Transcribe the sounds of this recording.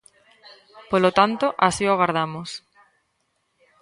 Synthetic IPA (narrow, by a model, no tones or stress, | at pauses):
polot̪ant̪oʔasioɣaɾð̞amos